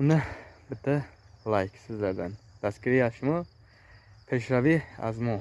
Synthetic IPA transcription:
unabət̪ʰːəlajkʰsɨzd̪ad̪and̪̥askiɾiaʃmɔ | pʰe̞ʃɾavia̰zmɔ

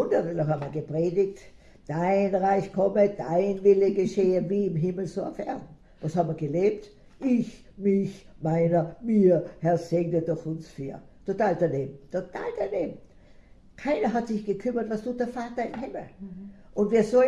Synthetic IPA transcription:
ʊndəʁɛlohabmiɐɡəpʁeːdɪkt | d̥aɪnʁaɪçkʰɔməd̥a̰ɪnvɪləɡeʃeːəviːɪmɦɪml̩soːaʊfɛ̰ɐdn̩ | vɑshaːbmviːɐɡəleːp̚t | ʔɪç | mɪçmaɪnɐmiːɐhɛɐseːɡndiɐdɔχʊnsfḭːɐ | tʰotaːldaneːbm̩tʰota̰ːldaneːbm̩ | kʰaɪnɐɦatsɪçɡ̥əkʰʏmɐtvastuːtdɛɐfaːtɐɪmɦɪml̩ʔʊntv̥iːɐsɔ

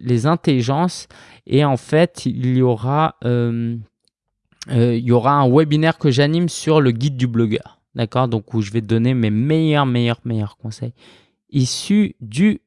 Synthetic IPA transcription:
lezɛ̃t̪eliʒɑ̃s | eɑ̃fɛt̪iljɔʁaøm | øiljɔʁaɛ̃wɛbinɛʁkəʒanimsyʁləɡʲid̪̚ːyblɔɡœ̰ːʁ | d̪akɔʁd̪ɔ̃kuʒəvɛd̪ɔnememejœʁmejœʁmejœʁkɔ̃sɛj | isyd̪y

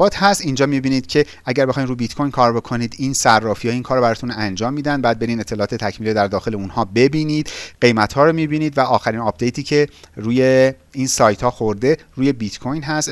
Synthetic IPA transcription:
ɒːt̪ʰhæst̪ind͡ʒɒːmibiːniːd̪̥cʰe̞ | æɟæɾbexɒːjinɾujebit̪kʰojnkʰɒːɾbo̞kʰoniːd̪iːnsærːɒːfijɒːiːnkʰɒːɾobæɾɒːt̪ʰunænd͡ʒɒːmːiːd̪ænd̪̚bæːd̪be̞ɾiːne̞t̪ʰːelɒːt̪ʰet̪ʰæcʰmiːled̪æɾd̪ɒːxe̞leunhɒːbe̞biːniːd̪̥ɢe̞jmæt̪hɒːɾomibiːniːd̪væʔɒːxæɾinɒːpʰd̪ejt̪ʰiːcʰe̞ɾuːje | iːnsɒːjt̪hɒːxoɾd̪e̞ɾuːje̞bit̪kʰojnɦæst̪

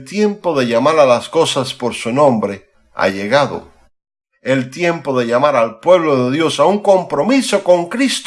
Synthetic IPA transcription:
t̪je̞mpoðe̞ʎamaɾalasko̞saspoɾsunõmbɾe | a̰ʝeɣaðo̰ | elt̪jempoðe̞ʎamaɾalpwe̞βloðeðjo̞sauŋko̞mpɾomisoko̞ŋkɾist̪

